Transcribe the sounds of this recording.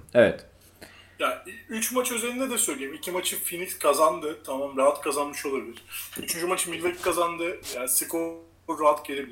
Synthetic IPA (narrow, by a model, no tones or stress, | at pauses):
evɛ̰t̪ | jayt͡ʃmat͡ʃø̞ze̞ɾʲind̪ɛd̪ɛsøjlʲeimicʰimat͡ʃʰɯfinikskʰazand̪ɯt̪ʰamamɾaɦat̪kʰazanmɯʃo̞lˠabilʲiɾ̥yt͡ʃʰynd͡ʒymat͡ʃʰɯmilʲvʲeickʰazand̪ɯjaːsikʰo | ɾɾaɦat̪ɟeɾʲebilʲ